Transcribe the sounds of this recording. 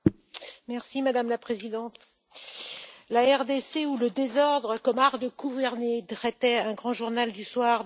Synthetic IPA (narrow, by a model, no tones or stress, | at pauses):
mɛʁsimad̪amlapχezid̪ɑ̃t̪ | laɛʁd̪eseuləd̪ezɔʁd̪ʁəkɔmaʁd̪əɡuvɛʁned̪ʁɛt̪ɛɛ̃ɡʁɑ̃ʒuʁnald̪yswaʁ